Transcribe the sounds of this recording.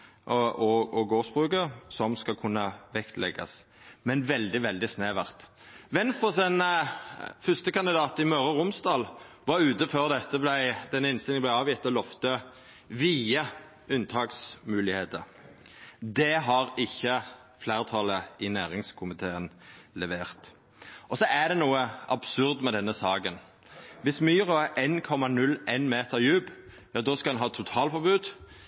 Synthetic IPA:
ʔʔɔɔɡoːsbʁʉːkəsɔmskɑlkʰʊnːəʋɛkt̪lɛ̰ɡɑ̰s | mɛnʋɛld̪ɪʋɛld̪ɪsneːʋæʁt̪ | ʋɛnst̪ʁəsən | fʏst̪əkɑnd̪ɪd̪ɑːt̪ɪmœʁəʁʊmsd̪ɑːl | ʋɑɾʉːt̪əføːʁd̪ɛt̪ːəblæɪd̪ɛnːəɪnsɪləblæɪɑːʋjɪt̪ɔlɔft̪ə | ʋiːə | ʉnt̪ʰɑːksmʉːlɪheːt̪əɾ | d̪ɛɦɑʁɪçːə | flæːʁt̪ʰɑləɪnæːʁɪŋskʰʊmɪt̪ʰeːənlɛʋeːʁt̪ | ʔɔsɔʔæd̪ɛnuːəʔɑbsʉʁd̪mɛd̪ɛnːəsɑːɡən | ʋɪsmyːʁɔæʔenkʰɔmːɑnʉlːeɪnmeːt̪əɾjʉːb | jɑːd̪ɔskɑd̪ɛnɦɑːt̪ʰʊt̪ʰɑːlfɔʁbʉːd̪

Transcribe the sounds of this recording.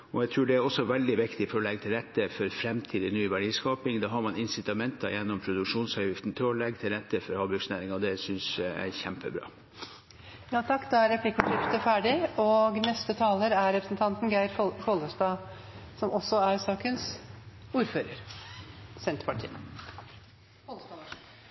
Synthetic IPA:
ɔæɡt̪ʰɾʉːɖɛæɾɔsːɔʋɛld̪ɪʋɪkt̪ɪfɔɾɔlɛɡːət̪ʰɪlɾɛt̪ːəfɔɾfɾɛmt̪ʰiːd̪ənyːʋæɖiːskɑːpɪŋd̪ɑːɦɑɾmɑnɪnsɪt̪ɑmɛnt̪ɑ̰jɛnːɔmpʰɾʊd̪ʉkʂuːnsɑjɪft̪n̩t̪ʰɪɔlɛɡət̪ʰɪlɾɛt̪ːəfɔɾhɑːbʉɡsnæːɾɪŋɑd̪ɛsʏnsæ̰ɾçæmpəbɾɑ̰ː | jɑːt̪ʰɑkːd̪ɑæɾɾɛpʰlɪkːʊʈɾɪft̪əfæːɖɪoːɡnɛst̪ət̪ʰɑːləɾæɾɾɛpɾəsnt̪ʰɑnt̪n̩ɡæɪɾkʰoːləst̪ɑː | sɔmɔsɔæɾsɑːkənsuːɾføːɾəɾ | sɛnt̪əpɑʈʰḭː

